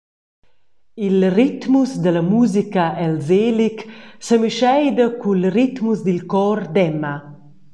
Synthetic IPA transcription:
ilrit̪musd̪əlamuzikaʔɛlzeːliksəmiʃɛjd̪əkulrit̪musd̪ilkɔrd̪ɛma

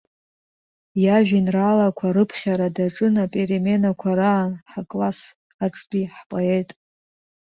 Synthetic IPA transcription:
jaʒᶣinralakʷʰaɾɨpʰχʲaɾadaʈ͡ʂʼɨnapʼeɾeme̞nakʷʰaɾaːnħakʼlas | aʈ͡ʂʼbiħpʼoe̞jtʼ

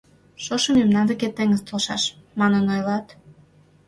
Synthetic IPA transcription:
ʃoʃə̆memnɑnd̪eket̪ːeŋəst̪olʃɑʃmɑnənojlɑt̪

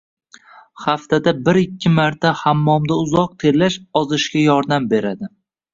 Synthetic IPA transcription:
haft̪ʰad̪abɪɾɪkʲʰːɪmaɾt̪ʰahamːɒmd̪aʊzɒq̚t̪ʰe̞ɾlːaʃɒzɪʃkʲajɒɾd̪ambe̞ɾad̪ɪ

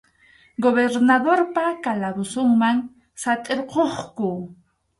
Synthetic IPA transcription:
ɡoβeɾnaðoɾpakalabʊsʊŋmaŋ | sat̪ʼeɾqoχkʊ

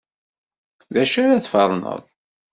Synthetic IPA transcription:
ðæʃæɾaθfəɾˤnə̰ðˤ

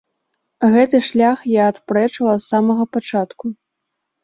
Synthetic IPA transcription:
ɣɛt̪ɨʂlʲaxjaːt̪pɾɛt͡ʂɐlˠɐsamɐɣɐpat͡ʂat̪ku

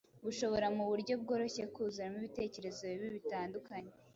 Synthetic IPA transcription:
βuʃo̞βo̞ɾamuβuɾɟo̞bɡo̞ːɾo̞çekuzuɾamiβite̞ːce̞ɾe̞zo̞iβiβitaːndukaɲe

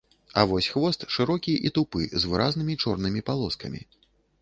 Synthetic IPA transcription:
a̰vɔsʲxvɔst̪ʂɨɾɔkʲiʔit̪upɨzvɨɾaznɨmʲit͡ʂɔrnɨmʲipalˠɔskɐ̰mʲḭ

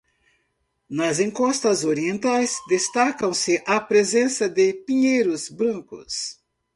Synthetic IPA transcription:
nɐzẽŋkɔst̪ɐzoɾiẽnt̪ajzd̪est̪akɐ̃w̃sɪʔɐpɾezẽsɐd̪ɪpĩɲejɾʊzbɾɐ̃ŋkʊ̰s

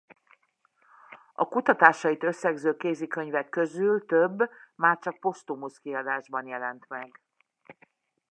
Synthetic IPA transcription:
ɒ̰kut̪ɒt̪aːʃɒjit̪ø̞sːɛɡzøːkeːzikø̞ɲvɛkːø̞zylt̪øbːmaːrt͡ʃɒk̚po̞st̪umuskiɒd̪aːʒbɒnjɛlɛnt̪mɛɡ

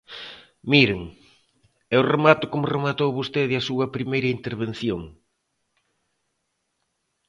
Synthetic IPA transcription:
miɾeŋ | ɛʊremat̪ʊkomʊremat̪owβost̪eðɪɐsuɐpɾimejɾɐint̪eɾβen̟θjoŋ

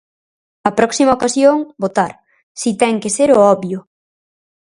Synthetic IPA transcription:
ɐpɾɔksimɐokasjoŋbot̪aɾ | sit̪ɛŋkeseɾʊɔβjʊ

